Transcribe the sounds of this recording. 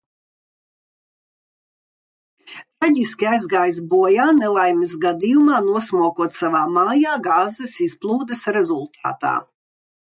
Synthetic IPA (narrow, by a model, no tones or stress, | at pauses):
t̪ɾaɟʲiskʲiajzɡaːjs̬buɔjaːnɛlˠajmisɡad̪ijumaːnuɔsmuɔkuɔt̪savaːmaːjaːɡaːzɛsisplˠuːd̪ɛsɾezulˠt̪ʰa̰ːt̪a̰ː